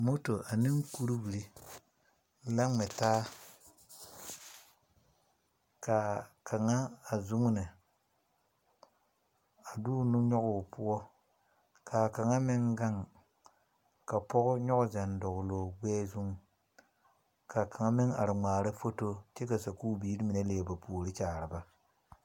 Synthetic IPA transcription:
mo˦to˨ʔa˨nɪ˦ŋ˦ku˦ɾu˦wi˨ɾi˦ | la˦ŋ͡mɛ˨taː˦ | ka˨kʰa˨ŋa˦a˨zu˦ŋ˦nɪ˨ | a˨duː˦nu˦ɲɔ˦ɣʊ˨pʊ˦ɔ˦ | kʰa˨ka˨ŋa˦mɪ˦ŋɡa˦ŋ | ka˨pɔ˦ɣʊ˦ɲɔ˦ɣʊ˦za˨ndɔ˨ɣʊ˨loː˨ɡ͡bɛː˦zu˦ŋ˨ | ka˨ka˨ŋa˦mɪ˦ŋa̰˨ɾɨ˨ŋ͡maː˨ɾɨ˦fo˦to˦t͡ʃɛ˦ka˨sa˨kuː˦biː˦ɾi˦mi˨nɛ˦leː˨ba˨pʰuː˨ɾɪ˦t͡ʃaː˨ɾɨ˨ba˦

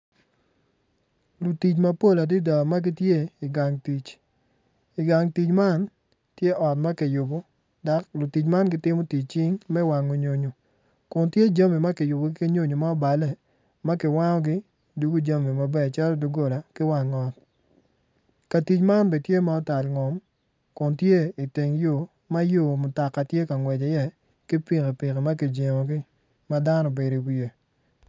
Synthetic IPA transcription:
lu˨ti˨t͡ʃma˦po˦la˨di˦da˨ma˦ɡɪ˦tje˦i˨ɡa˨ŋti˨t͡ʃ | ɪ˨ɡa˨ŋti˨t͡ʃma˦n | tje˦ʔɔ˨t̚ma˦kɪ˨jʊ˨bɔ˦ | da˨˦klʊ˨ti˨t͡ʃma˦nɡɪ˦tɪ˦mo˦ti˨t͡ʃ̚t͡ʃi˦ŋmɛ˦wa˨ŋo˨ɲo˨ɲo˨ | kʊ˨ntje˦d͡ʒa˦mi˨ma˦kɪ˨jʊ˨bo˨ɡɪ˦ke˦ɲo˦ɲo˨ma˦ɔ˦ba˨lɛ˦ | ma˦kɪ˨wa˦ŋɔ˦ɡɪ˦ | du˦ɡo˦d͡ʒa˦mi˨ma˨bɛ˦˨t͡ʃa˦lɔ˦du˦ɡo˦˨la˨kɪ˦wa˨ŋɔ˦t̚ | ka˨ti˨t͡ʃma˦nbɛ˨tje˦ma˨ɔ˦ta˨lŋɔ˨m | kʊ˨ntje˦i˨te˨ŋjo˨ | ma˦jo˦˨mʊ˨ta˨kːa˨tje˦ka˨ŋwɛ˨d͡ʒe˨jɛ˦ | kɪ˦pi˨ke˨pɪ˨ke˨ma˦kɪ˨d͡ʒe˨mo˨ɡɪ˦ | ma˦da˦nɔ˨be˨ɾi˨wi˨e˨

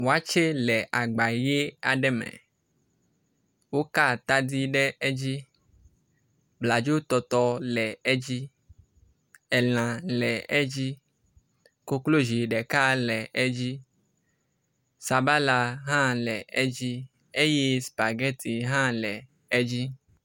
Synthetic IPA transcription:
wo˨a˦t͡ʃe˦lɛ˨ʔa˨ɡ͡ba˨je˦a˨ɖɛ˦mɛ̰˨ | wo˦ka˦˨t̪a˦d̪i˦ɖɛ˦ɛ˦d͡ʒi˦ | bla˨d͡ʒo˦t̪ɔ˨t̪ɔ˦lɛ˨ɛ˦d͡ʒi˦ | ɛ˨l̃ã˨lɛ˨ɛ˦d͡ʒi˦ | ko˦klo˦ʒi˨ɖɛ˨ka˦lɛ˨ʔɛ˦d͡ʒi˦ | sa˨ba˦la˨ɦã˦lɛ˨ɛ˦d͡ʒi˦ | e˦je˦spa˨ɡɛ˦t̪i˨ɦã˦lɛ˨ | ɛ˦d͡ʒi˦

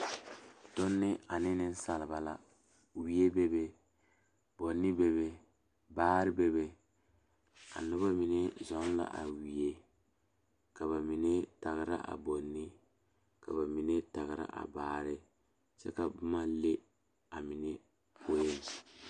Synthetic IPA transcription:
tʊ˦nːɪ˦a˨nɪ˦nɪ˦n̩˦sa˨lɪ˨ba˨la˨ | wi˦e˦bɛ˦be˦ | bo˨nːɪ˦bɛ˦βe˦ | baː˦ɾɪ˦bɛ˦βe˦ | a̰˨nʊ˦βa˦mi˨nɛ˦zɔ˨˦la̰˨ʔa˨wi˨e˦ | ka˨ba˨mi˨nɛ˦ta˨ɣɪ˨ɾa̰˦ʔa̰˨bo˨nːɪ˦ | ka˨ba˨mi˨ne˦ta˨ɣɪ˨ɾa̰˦ʔa̰˨baː˦ɾɪ˦ | t͡ʃɛ̰˦ka˨bʊ˦ma˦le˦ | a˨mi˨ne˦ | po˦je˦n˨

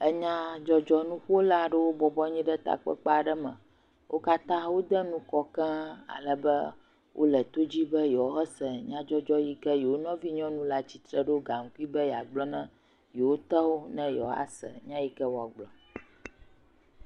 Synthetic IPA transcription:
ɛ˦ɲã˦d͡ʒɔ˦d͡ʒɔ˦nũ˦ɸu˦o˦la˨ɖə˦wo˦bɔ˨bɔ˦ɲĩ˦ɖə˦t̪a̰˨k͡pə̰˦k͡pa˦a˨ɖə˦mə̃˨ | wʔo˦ka˦t̪ã˦wo˦d̪ɛ˦nũ˦kɔ˦kɛ̃˦a̰˨lə˨bə̰˦ | wʔo̰˦lə˨t̪o˦d͡ʑi˦bə˦jɔ˨˦ɛ˦sɛ˨ɲã˦d͡ʒɔ˦d͡ʒɔ˦ji˦kə˦je˨wo˦nɔ̃˦vi˦ɲɔ̃˦nũ˦la˦t͡ɕi˦t̪ɾə˦ɖo˦ɡa˨ŋ̩˨ku˦i˦bə˦ja˨ɡ͡blɔ˦nã˦ | je˨wo˦t̪ɛ˦wo˦nɛ̃˦jɔ˨˦a̰˨sɛ̰˨ɲã˦ji˦kɛ˦wo˦a˨ɡ͡blɔ˨

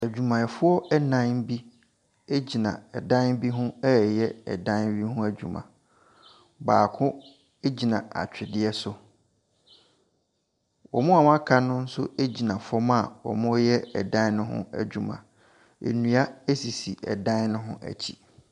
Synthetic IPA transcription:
æ˨d͡ʑᶣu˨mã˨ɛ˨fʊ˦ɔ˦ʔɛ˦nã˦n˦bi˦ | e˦d͡ʑi˨nã̰˨ɛ˨dã˦n˦bi˦ɦʊ̃˦ɛ˦˨jɛ˦ɛ̰˨dã˦n˦bi˦hʊ̃˦æ˦d͡ʑᶣṵ˨mã̰˨ | ba̰ː˨kʰʊ̃˦ | e˦d͡ʑi˨nã̰˨a̰˨t͡ɕᶣɪ˨dɪ˦ɛ˦sʊ˨ | wɔ˨mʊ̃˦a˨m̃˦a˦kʰa˦nʊ̃˦n̩˦sʊ̰˦e˦d͡ʑi˨nã˨fɔ˦ma˦˨wɔ̰˨mʊ̃˦jɛ˦ɛ̰˨dã˦nʊ̃˦ɦʊ̰̃˦æ̰˨d͡ʑᶣu˨mã̰˨ | ḛ˨nũ˨a˦æ˦si˨si˨ʔɛ̰˨dã˦n˦nʊ̃˦ɦʊ̰̃˦ʔæ̰˨t͡ɕʰḭ˨

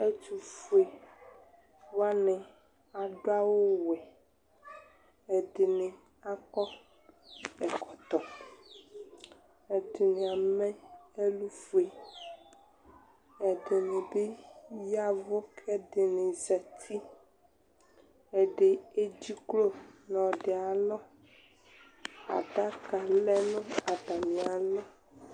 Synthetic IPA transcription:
e˦t͡ʃu˨fu˨e˨ | wa˦nẽ˨ | a˨ɖo˦a˦wo˦wɛ˨ | e˨ɖe˨nẽ˨ | a˦kɔ˦ | ɛ˨kɔ˨t̪ɔ˨ | e˨d̪e˨ne˨a˨mẽ˦e˦lu˦fu˨e˨ | ɛ˨de˨ne˨be˦ja˦vo˦kʰɛ˦de˨nẽ˨zɛ˨t̪ʰi˦ | e˨ɖe˨e˦d͡ʑi˦klo˦nɔ̃˨ɖe˨a˨lɔ˦ | a̰˨ɖa˦ka˨lɛ˦nõ˦a˨ɖa˨mĩ˨a˨lɔ˦

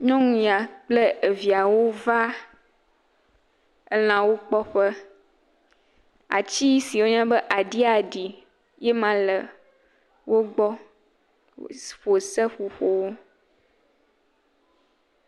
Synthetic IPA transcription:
ɲɔ̃˦ŋũ˨˦ja˨k͡plɛ˦e˨vi˨a˨wo˦va˦ | ɛ˦l̃ã˨wo˦k͡pɔ˦ɸɛ˦ | a̰˨t͡ɕi˦si˨wo˦ɲã˦bɛ˦ʔa˨ɖi˦a˨ɖi˨ | jɛ˦mã˨lə˨ | wo˦ɡ͡bɔ˦ | ɸo˨sɛ˦ɸo˨ɸo˨wo˦

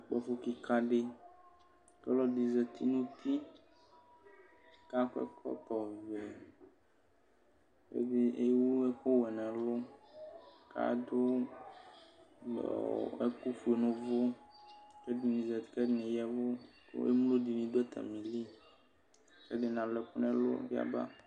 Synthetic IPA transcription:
k͡pɔ˦fo˦ki˨ka˦ɖe˦ | kɛ˦lɔ˦di˨zɛ˨t̪ʰi˦nũ˦t̪i˦ | ka˦kɛ̰˦kʰɔ̰˦t̪ɔ˨vɛ˨ | kḛ˦de˦ʔe˦wu˦ɛ˦kɔ˦wɛ˨nã˨lo˦ | ka̰˦d̪o˦ | lɔ̰˨ɛ˦ku˦fu˨e˨nũ˨vo˦ | kɛ˦di˨nĩ˨zɛ˨kɛ˦nɛ̃˨jɛ˦vo˦ | to̰˦ḛ˦m˦lo˦di˨nĩ˨dɛ˦t̪ʰa̰˨mĩ˨li˦ | kɛ˦ɖe˨nã˨lɛ˨ku˦nɛ̃˦lo̰˦vi˦a̰˦ba̰˦

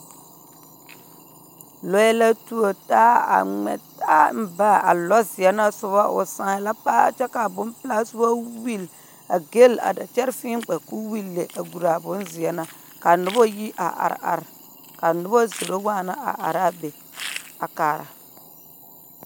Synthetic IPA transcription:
lɔ˦ɛ˦la˦tu˦o˨taː˦a̰˨ŋɛ̰˨taː˦m̩˦ba˦a̰˨lɔ˦zɪ˨ɛ˦na˦sʊ˦βa˦ʔʊ̰˨sã˨la˦pa˦a̰˨t͡ʃɛ˦ka˨bʊ˦npɪ˦la˦sʊ˦ba˦wi˦˨l | a˨ɡe˦la̰˨da˨t͡ʃɛ˦ɾfiː˦ŋ˦k͡pɛ˨ku˦wi˦lːe˨ʔa˨ɡu˨ɾa˨bʊ˦nzɪ˨ɛ˨na˨ | ka˨nʊ˦bɔ˦ji˦ʔa̰˨ʔa̰˨ɾ̰a̰˨ɾ | ka˨nʊ˦bɔ˦zo˨ɾo˦waː˦˨na˦ʔa̰˨ʔa̰˨ɾa˦be˨ | a˨kaː˨ɾa̰˨

